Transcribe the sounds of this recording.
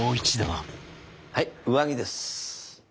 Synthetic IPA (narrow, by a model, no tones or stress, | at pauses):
oːit͡ɕid̪eβa | haiɯ̟βaɡ̟ʲid̪e̞sɨ̥